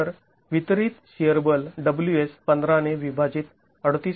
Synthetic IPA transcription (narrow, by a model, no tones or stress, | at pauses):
əɾ | ʋit̪ɾiːt̪ɕijəɾbəlɖəbljuespənd̪ɾaneʋibʱad͡ʑiːt̪ | əɽt̪iː